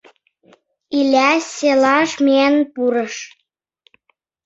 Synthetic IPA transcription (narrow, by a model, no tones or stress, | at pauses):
ilʲæselɑʃmenpuɾɤʃ